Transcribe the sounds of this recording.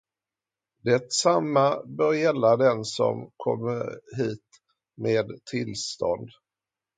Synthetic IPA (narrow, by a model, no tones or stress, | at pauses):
d̪ɛt̪samːabœːɾjɛlːad̪ɛnsɔ̰mkʰɔ̰mːəɾɦiːt̪ | meːd̪t̪ʰɪlst̪ɔnd̪